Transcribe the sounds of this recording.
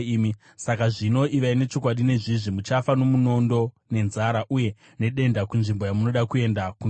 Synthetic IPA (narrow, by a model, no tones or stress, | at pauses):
mi | sakaʐino̞ʔiʋaine̞t͡ʃo̞kwaɗine̞ʐiʐimut͡ʃafano̞muno̞ndo̞ | ne̞nzaɾaʔuje̞ | ne̞ɗe̞ndakunʐimbo̞jamuno̞ɗakue̞ndakun